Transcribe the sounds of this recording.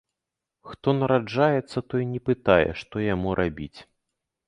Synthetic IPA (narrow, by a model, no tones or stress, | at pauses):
xt̪ɔnɐɾad͡ʐajɛt̪sːɐt̪ɔinʲɛpɨt̪ajɛ̰ʂt̪ɔjamuɾʔabʲit͡sʲ